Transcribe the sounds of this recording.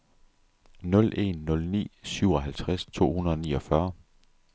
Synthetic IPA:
nɔ̽lʔe̝̰nːɔ̽lnḭːsyʊɒ̽ɦælt͡sʰʁast͡sʰo̝̰ːhunɐðˠɒnḭːɒ̽fɶɐ

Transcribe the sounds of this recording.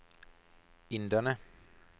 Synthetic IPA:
ɪnd̪ənə

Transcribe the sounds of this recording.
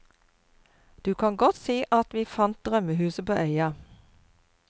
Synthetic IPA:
d̪̥ʉːkʰɑŋɡɔt̪siːʔɑt̪ʋiːfɑnt̪̚d̪ʁœməhʉːsəpoːʔœʏɑ

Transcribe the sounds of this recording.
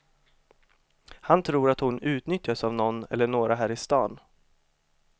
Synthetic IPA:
hant̪ʰɾuːɾat̪hʊnʉ̟ːt̪nʏt̪jasavnɔnːɛ̰lːəɳoːɾaɦæːɾɪst̪ɑːn

